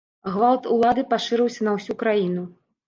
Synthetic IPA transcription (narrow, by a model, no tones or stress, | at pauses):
ɣvalˠt̪ulˠad̪ɨpaʂɨɾɨwsʲɐnɐwsʲukɾajinu